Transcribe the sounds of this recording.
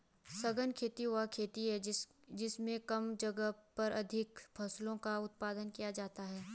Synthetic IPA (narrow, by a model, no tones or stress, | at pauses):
sɐɡənkʰeːt̪iɦʊakʰeːt̪iɦɛ | d͡ʒɪsmẽkɐmd͡ʒɐɡəpɐɾʔɐd̪ʱɪkpʰɐslõkaʊt̪̚paːd̪ənkijad͡ʒaːt̪aɦɛː